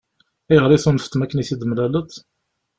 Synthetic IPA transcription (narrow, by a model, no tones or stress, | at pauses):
æjəʁɾˤiθunfə̥t̪ːmækːəniθid̪əmlælət̪